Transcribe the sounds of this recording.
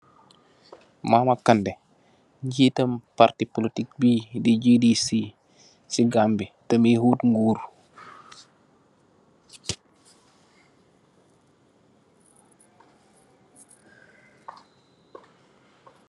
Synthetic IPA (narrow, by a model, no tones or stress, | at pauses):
mamakɐndɛ | ɟitəmpartipolitik̚bidid͡ʒedisi | siɡambitəmihuːtŋɡuːɾ